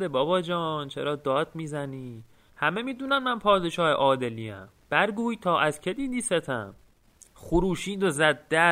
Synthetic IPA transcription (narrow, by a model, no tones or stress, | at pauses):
ebɒːbɒːd͡ʒɒːnt͡ʃʰḛɾɒːd̪ɒːd̪miːzæniː | hæmemiːd̪uːnænmænpʰɒːd̪e̞ʃɒːhḛʔɒːd̪eliːæ̰m | b̥æɾɡuːjt̪ʰɒːʔæzcʰe̞d̪iːd̪iːset̪ʰæ̰m | xuɾuːʃiːnd̪ozæd̪ːæ